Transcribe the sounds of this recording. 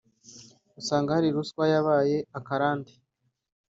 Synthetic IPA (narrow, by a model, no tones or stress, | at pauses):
usaːŋɡahaɾiɾuskwajaβaːje̞akaɾaːndi̥